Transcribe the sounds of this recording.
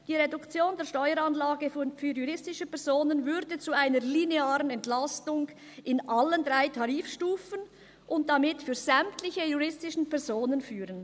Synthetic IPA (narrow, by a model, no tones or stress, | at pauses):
d̥iːʁedʊkt͡sjoːndeːɐʃtɔʏəɾanlaːɡəfyːjuʁɪstɪʃəpɛʁz̥oːnənvʏɾdət͡suaɪnəlineaːʁənɛntlastʊŋ | ʔɪnʔaləndʁaɪtʰaʁiːfʃtuːfən | ʔʊnt̚d̥amɪtfyːz̥ɛmtlɪçəjuʁɪstɪʃn̩pɛʁz̥oːnənfyːʁən